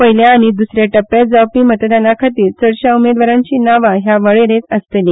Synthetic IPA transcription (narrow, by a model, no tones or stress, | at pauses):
pəjljaːɽ̃id̪usɾjeʈəpːed͡zawpiːmət̪əd̪anakʰat̪iːɾsəɽɕaumed̪ʋaɾãɲt͡ɕiːnaʋaɦjaʋəɭeɾet̪əst̪eliː